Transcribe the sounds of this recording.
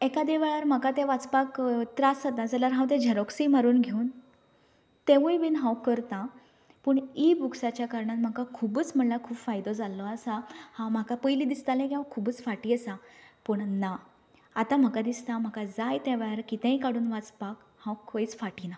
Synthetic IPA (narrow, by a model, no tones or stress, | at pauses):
ekad̪eʋɛɭaɾm̤akat̪ẽʋat͡spakt̪ɾasat̪ãd͡zalaɾɦãwt̪̬ẽd͡ʑʱəɾɔksimaɾuːnɡʱeun | t̪eʋəjʋiːnɦãwkəɾt̪ã | pəɳibuksat͡ɕjakaɾɳat̪m̤akakʰubəːt͡sm̤əɳlakʰuːpfajd̪ɔd͡zalɔasãhãwm̤akapəjliːd̪ist̪alẽkiɦãwkʰubəːt͡sfaʈiːəsapəɳna | at̪am̤əkad̪ist̪am̤akad͡zajt̪eʋeɭaɾkit̪ə̃jkaɽ̤uːnʋat͡spak | hãwkʰojt͡sfaʈina